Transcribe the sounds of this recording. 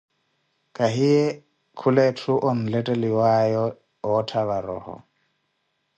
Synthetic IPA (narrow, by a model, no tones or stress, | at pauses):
kʼaɦijɛ | kʰulɛtʰuʔɔn̩lɛtʼɛliwajɔ | ɔtʰaβaɾɔ̰ːhɔ̰